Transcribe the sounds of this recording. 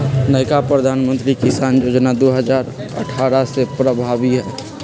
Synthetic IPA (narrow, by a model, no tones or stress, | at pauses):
nəɪkapɾəd̪ʱanmə̃nt̪ɾikisanjod͡ʒnad̪oɦəd͡ʒaːɾə̰ʈʰaɾasepɾəbʱabiɦɛː